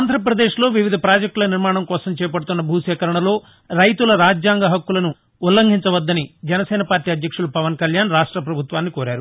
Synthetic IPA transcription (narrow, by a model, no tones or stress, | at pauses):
aːnd̪ʱɾɐp̬ɾɐd̪eːʃlo̞ːʋiʋid̪ʱɐpɾaːd͡ʒɐk̚ʈulɐniɾmaːɳɐmkɔːsɐmt͡ʃɛːjɐpɐɽut̪unːɐbʱuːʃɛːkɐɾɐɳɐlo̞ː | ɾɐjt̪ulɐɾaːd͡ʒjaːŋɡɐɦɐkːulɐnu | ulːɐŋɡʱiɲt͡ʃɐʋɐd̪ːɐnid͡ʒɛnɐsɛːnɐpaːɾʈiːɐd̪ʱjɐkʂulupɐʋɐnkɐljaːnɾaːʂʈɾɐpɾɐbʱut̪ʋaːnːikoːɾæaːɾu